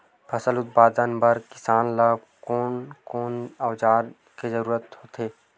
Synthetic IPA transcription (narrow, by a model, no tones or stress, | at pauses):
pʰɐsəlʊt̪̚baːd̪ənbəɾkɪsaːnla | koːnkoːnɐwd͡ʒaːɾ | kezəɾuːɾət̪ɦoːt̪eː